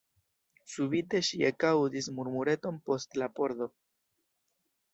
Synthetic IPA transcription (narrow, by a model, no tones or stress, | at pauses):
subite̞ʃiekawdismuɾmuɾe̞to̞npo̞stlapo̞ɾdo̞